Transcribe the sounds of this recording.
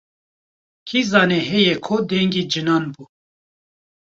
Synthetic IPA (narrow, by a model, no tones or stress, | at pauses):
kʰizɑːnɛɦɛjɛkʰod̪ɛŋɡiːd͡ʒɨnɑːnbuː